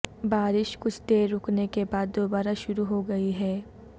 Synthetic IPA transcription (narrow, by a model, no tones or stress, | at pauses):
baːɾɪʃkʊt͡ʃʰd̪eːɾːʊknekebaːd̪ːoːbaːɾaʃʊɾuɦoɡɐiɦɛː